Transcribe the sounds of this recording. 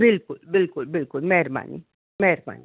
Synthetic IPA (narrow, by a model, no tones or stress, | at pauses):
bɪlkʊlbɪlkʊlbɪlkʊlmɛɾma̰nḭ | mɛɾma̰ni